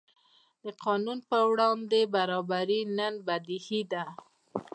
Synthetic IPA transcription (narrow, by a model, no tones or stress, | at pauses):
d̪̥əqɑnunpəwɽɑnd̪ebaɾɑbaɾinənbad̪ihid̪a